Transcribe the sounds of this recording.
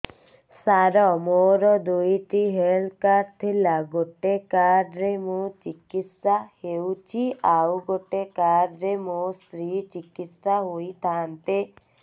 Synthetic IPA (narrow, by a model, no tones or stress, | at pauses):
saɾɔmoɾɔd̪ujʈiɦelkaɾt̪ʰilaɡoʈekaɖɾemũt͡ʃikit̪sahewt͡ʃʰiawɡoʈekaɖɾemost̪ɾit͡ʃikit̪saɦojt̪ʰant̪e